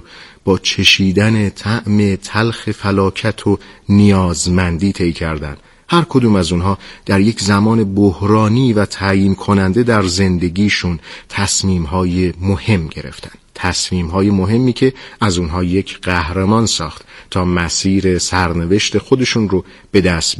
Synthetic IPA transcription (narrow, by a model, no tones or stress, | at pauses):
b̥ɒːt͡ʃʰe̞ʃiːd̪æne̞t̪ʰæʔme̞t̪ʰælxe̞fælɒːcʰæt̪ʰonijɒːzmænd̪iːt̪ʰe̞jcʰæɾd̪æ̰nd̪ | hæɾkʰo̞d̪uːmæzunɦɒːd̪̥æɾje̞cʰzæmɒːne̞bohɾɒːniːvæt̪ʰæjiːmkʰo̞nænd̪e̞d̪æɾze̞nd̪e̞ɡiːʃunt̪ʰæsmiːmɦɒːjemohe̞mːɟe̞ɾe̞̰ft̪ʰæ̥nd̪t̪ʰæsmiːmɦɒːjemoɦe̞mːiːcʰe̞æzunɦɒːje̞cʰɢ̥æhɾemɒːnsɒːxt̪t̪ʰːɒːmæsiːɾe̞sæɾne̞ve̞ʃt̪e̞xod̪e̞ʃunɾo | b̥e̞d̪æst̪b